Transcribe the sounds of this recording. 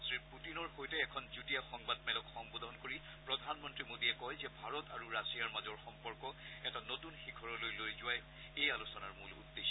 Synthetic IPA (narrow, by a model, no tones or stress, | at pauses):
sɹiputinɔɹxojtɛːkʰɔnzutijaxɔŋbad̚mɛlɔkxɔŋbɔdʱɔnkoɹi | pɹɔdʱanmɔntɹimodiɛkɔjzɛbʱaɹɔtaɹuɹasijaɹmazɔɹxɔmpɔɹkɔɛtanotunxikʰɔɹɔlojlojzʊwaj | ejalusɔnaɹmulṵdːeʃ